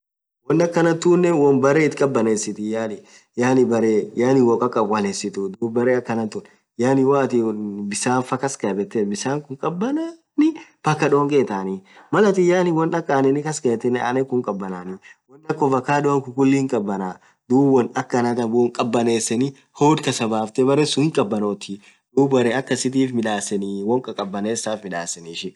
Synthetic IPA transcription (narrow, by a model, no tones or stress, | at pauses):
wɔnːɐkːɐnɐt̪uːnːɛwɐnbɐɾeːɪt̪kʼɐbːɐneːsːɪt̪ɪjaːnɪ | jaːnɪbɐɾeːjaːnɪwɔkʼɐkʼːɐbwɐneːsɪt̪ʊd̪uːbbɐɾeːɐkːɐnɐt̪ːun | jaːnɪwaːt̪ɪbɪsaːnfɐkɐskɐbɛt̪ːɛbɪsaːŋkʊŋkʼɐbːɐna | nɪb̥ɐkːɐᶑoːŋkʼeːt̪aːnimɐlɐt̪ɪjaːnɪwɔnɐkʼːaːnɛnɪkɐskɐt̪ːɛna̰ːnɛkʊŋkʼɐbːɐnaːniwɔnːɐkːɔfɐkːaːɗʊɐŋkʊkʊlːiːŋkʼɐbːɐna | d̪uːwɐnɐkːɐnɐt̪ɐbɔŋkʼɐbːɐneːsːɛnɪ | hoːd̪kɐsɐbaːft̪ɛbɐɾesʊɪŋkʼɐbːɐnoːt̪ɪ | d̪uːbɐɾɛɐkːɐsɪt̪̬iːfmɪᶑaːsːɛniwɔŋkʼɐkʼɐbːɐneːsaːfmɪᶑaːsːɛnːʃɪ